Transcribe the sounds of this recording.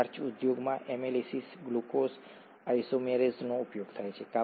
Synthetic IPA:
ɾt͡ʃud̪joɡmãʔemelisisɡlukos | ajsomeɾeznoupjoɡt̪ʰajt͡ʃʰeka

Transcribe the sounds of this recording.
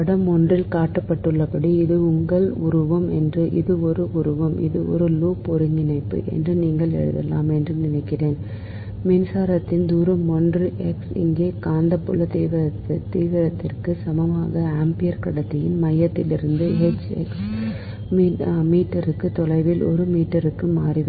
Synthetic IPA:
pɐɽɐmɔndrɪlkaːʈːɐpːɐʈːɯɭːɐpɐɽiɪðɯʊŋɡɐɭʊɾɯʋɐmɛ̰ndrɯʔɪðɯɔɾɯʔʊɾɯʋɐmʔɪ̰ðɯɔ̰ɾɯluːpɔɾɯŋɡɪnɐɪpːɯ̰ʔɛ̰ndrɯniːŋɡɐɭɛ̰ɻɯ̰ðɛ̰lːa̰ːmɛndrɯnɪnɐɪkːɪreːn | mɪnsaːɾɐt̪ːɪnd̪uːɾɐmɔndrɯʔɛksɪ̰ŋɡeːkaːnd̪ɐpːʊlɐt̪iːʋɪɾɐt̪t̪ːiːʋɪɾɐt̪ːɪrkɯsɐmɐma̰ːɣɐaːmpɪjɐɾkɐɽɐt̪ːɪjɪnmɐjːɐt̪ːɪlɪɾɯnd̪ɯɦɛt͡ʃːɛ̰ks | mːmiːʈːɐɾɯkːɯt̪ːɔlɐɪʋɪlɔ̰ɾɯmiːʈːɐɾɯkːɯmaːrɪʋ

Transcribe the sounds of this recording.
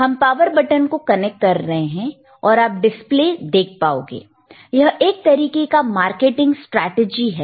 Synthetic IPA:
ɦɐmpaːʋəɾbɐʈənkokɐnɛk̚ʈ̚kɐɾːɐɦeɦɛ̃ | ɔːɾaːp̚ɖɪspleːd̪eːk̚ʰpaːo̰ːɡḛː | jɐɦeːk̚t̪ɐɾiːkekamaːɾkeːʈɪ̃ŋɡsʈɾɛːʈed͡ʒiɦɛː

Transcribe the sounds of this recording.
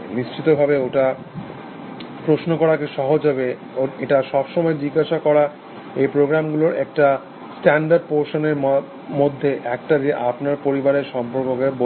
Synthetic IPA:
niʃt͡ɕit̪obʱabeoʈa | pɾosnokɔɾakeʃɔɦod͡ʑɦabe | eʈaʃɔbʃɔmɔed͡ʑiɡaʃakɔɾa | ejpɾoɡɾamɡuloɾɛ̰k̚ʈa | sʈɛɳɖaɾɖ̚poɾʃoneɾ | mod̪ʱːeʔɛkʈad͡ʑeʔapnaɾpoɾibaɾeɾʃɔmpoɾkokebo

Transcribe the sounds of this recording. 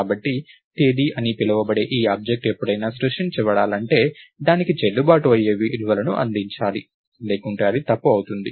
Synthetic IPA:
aːbɐʈːi | ʈeːd̪iʔɐnipilɐʋɐbɐɽe̞ːʔiːaːb̚d͡ʒek̚ʈepːuɽɐjnaːsɾuʂʈint͡ʃɛʋɐɽaːlɐɳʈe̞ːd̪aːnikit͡ʃelːubaːʈuɐjːeːʋiʔluʋɐlɐnuʔɐ̰nd̪iɲt͡ʃaːli | leːkuɳʈaːɐɾit̪ɐpːuɐwut̪und̪i

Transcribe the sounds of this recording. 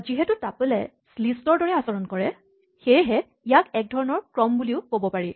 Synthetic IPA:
ziɦɛtutapɛlɛ̰ | slistɔɹdɔɹɛasɔɹɔnkɔɹɛ | xejɦɛ | ijakɛk̚dʱɔɹɔnɔɹkɹɔmbuliʊkobɔpaɹi

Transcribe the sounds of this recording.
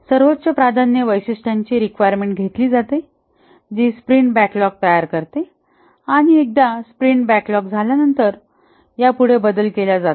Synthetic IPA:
səɾʋot̪ːt͡ɕəpɾad̪ʱanjəʋəjsisʈaɲt͡ɕiːɾikʋajəɾmẽɳʈɡʱet̪liːd͡zat̪e | d͡ʑiːspɾiɳʈbæklɔk̚t̪ajaɾkəɾt̪e | aɽ̃iek̚d̪aspɾiɳʈbæklɔkd͡zʱaljanənt̪əɾ | japuɽ̤ebəd̪əlkelad͡zat̪a

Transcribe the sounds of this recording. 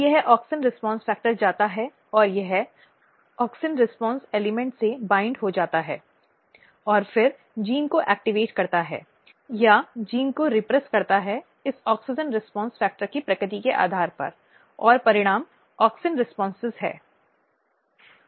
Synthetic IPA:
jɐɦʔɔːksənɾɪspɔ̃ːnsfɛːk̚ʈəɾd͡ʒaːt̪aɦɛ | ɔːɾjɐɦɛ | ɔːksənɾɪspɔ̃ːnseːlɪmɛ̃ɳʈsebãːɪ̃ɳɖɦod͡ʒaːt̪aɦɛ̰ː | ɔːɾfɪɾ | d͡ʒiːnkoʔɛːk̚ʈɪʋeːʈkɐɾt̪aɦɛ̰ː | jad͡ʒiːnkoɾɪpɾɛskɐɾt̪aɦɛ | ɪsɔːksɪd͡ʒənɾɪspɔ̃ːnsfɛːk̚ʈəɾkipɾɐkɾɪt̪̬ikeʔa̰ːd̪ʱaːɾpɐ̰ɾ | ɔːɾpɐɾɪɽ̃aːm | ɔːksənɾɪspɔ̃ːnsɪzɦɛ̰ː

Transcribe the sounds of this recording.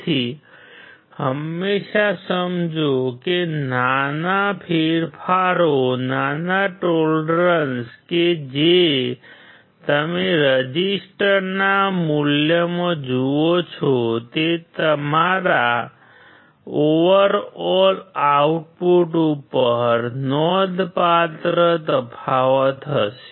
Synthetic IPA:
t̪ʰi | həmːeʃasəmd͡ʒokenanapʰeɾpʰaɾonanaʈolɖɾənsked͡ʒe | t̪əmeɾəd͡ʒisʈəɾnamuljəmãd͡ʒuot͡ʃʰɔt̪et̪əmaɾa | oʋəɾɔlauʈ̚puʈupəɾnɔd̪pat̪ɾət̪əpʰaʋət̪ɦəʃe̥

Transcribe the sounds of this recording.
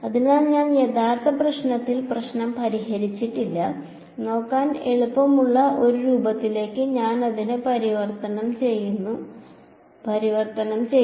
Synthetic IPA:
ɐðinaːnɲaːnjed̪aːrt̪ʰɐprɐɕɳɐt̪ːilprɐɕɳɐmpɐɾiɦɐɾit͡ɕːiʈːilːɐ | no̞ːkːaːne̞ɭupːɐmuɭːɐʔo̞ɾuɾuːbɐt̪ːile̞ːkːɨɲaːnɐðinɨpɐɾiʋɐrt̪ɐnɐmt͡ɕejːunːu | pɐɾiʋɐrt̪ɐnɐmt͡ɕej

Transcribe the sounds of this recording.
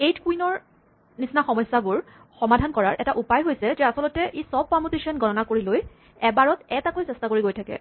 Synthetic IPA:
ejtkuinɔɹ | nisnaxɔmɔjsabʊɹ | xɔmadʱankɔɹaɹʔɛtaʔupajɦojsɛzɛasɔlɔtɛʔisɔb̚pamuteʃiɔnɡɔnɔnakoɹiloj | ɛbaɹɔtɛtakojsɛstakoɹiɡojtʰakɛ̰

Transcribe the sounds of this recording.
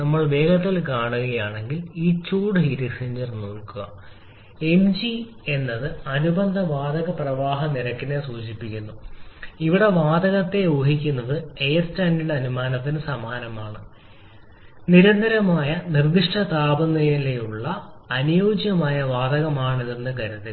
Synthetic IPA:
ɐmːɐɭʋe̞ːɡɐt̪ːɐlkaːɳuɣɐɐjaːɳe̞ŋɡiliːt͡ɕuːɽɨɦiːɾisiɲd͡ʑɐrnoːɭkuɣɐ̰ | e̞md͡ʑi | e̞nːɐðɨɐnubɐnd̪ʱɐʋaːd̪ɐɣɐprɐʋaːɦɐniɾɐkːinesuːd͡ʑipːikʲːunːuiʋiɽe̞ʋaːd̪ɐɣɐt̪ːe̞joːɦikʲːunːɐðɨejestaːndiɽeɐnumaːnɐt̪ːinɨsɐmaːnɐmaːɳɨ | niɾɐnd̪ʱɐɾɐmaːjɐnird̪iʂʈɐt̪aːbɐnːɐjɐlejuɭːɐːnujoːd͡ʑjɐmaːjɐʋaːd̪ɐɣɐmaːɳiðenːɨkɐɾut̪ːil

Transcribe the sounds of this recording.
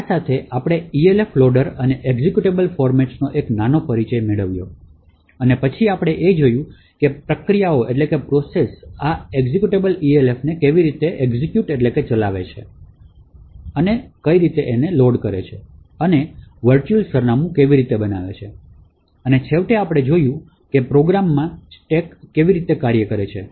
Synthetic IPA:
asat̪ʰeʔapɽ̃eieleflɔɖəɾəneʔeɡzekjuʈebəlfɔɾmɛʈsnoʔeknanopəɾit͡ʃəjmeɭəʋjo | ənepət͡ʃʰiapɽ̃eʔed͡ʒojũ | kepɾəkɾijaoʔeʈlekepɾosesaeɡzekjuʈebəlielefnekeʋiɾit̪eʔeɡzikjuʈeʈleket͡ʃəlaʋet͡ʃʰḛ | ənekəiɾit̪eʔeneloɖkəɾet͡ʃʰe | əneʋəɾt͡ʃuəlsəɾnamũkeʋiɾit̪ebənaʋet͡ʃʰe | ənet͡ʃʰeʋʈeapɽ̃ed͡ʒojũ | kepɾoɡɾamːãʈekːeʋiɾit̪ekaɾjəkəɾet͡ʃʰe

